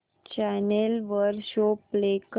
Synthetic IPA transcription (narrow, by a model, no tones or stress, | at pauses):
t͡ɕɛnelʋəɾɕoplek